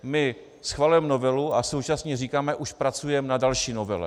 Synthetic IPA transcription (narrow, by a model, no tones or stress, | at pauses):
mɪ | sxvalujɛmnovɛluasowt͡ʃasɲɛriːkaːmɛʔuʃpɾat͡sujɛmnadalʃiːnovɛlɛ̰